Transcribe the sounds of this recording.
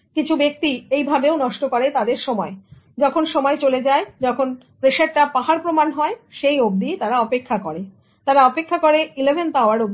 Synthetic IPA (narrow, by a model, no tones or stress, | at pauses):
kit͡ɕʰubek̚t̪iejbʱabeonɔʃʈokoɾet̪ad̪eɾʃɔmɔe | d͡ʑɔkʰonʃɔmɔet͡ɕoled͡ʑaed͡ʑɔkʰon | pɾeʃaɾʈapaɦaɾpɾomanɦɔeʃejob̚d̪it̪aɾaɔpekʰːakɔɾe | t̪aɾaɔpekʰːakoɾeilebʱenpaoaɾob̚d̪i